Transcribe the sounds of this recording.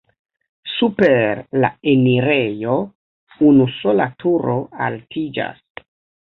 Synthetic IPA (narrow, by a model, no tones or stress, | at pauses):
supeɾla̰eniɾejo̞ | unuso̞latʰuɾo̞a̰ltʰid͡ʒa̰s